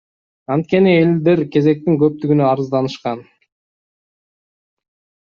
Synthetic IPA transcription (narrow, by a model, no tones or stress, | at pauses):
ɑnt̪̚ke̞nield̪e̞ɾke̞ze̞k̚t̪iŋkø̞p̚t̪yɡynøɑɾɯzd̪ɑnɯʃqɑn